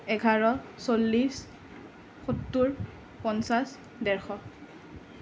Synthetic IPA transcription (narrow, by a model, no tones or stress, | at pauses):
ɛɡʱaɹɔsolːis | xutːuɹ | pɔnsas | dɛɹxɔ